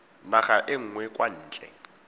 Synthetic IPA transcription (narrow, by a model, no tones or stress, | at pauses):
naχaʔɪŋ̩ːŋwɛkʼwan̩ːt͡ɬʼɛ̰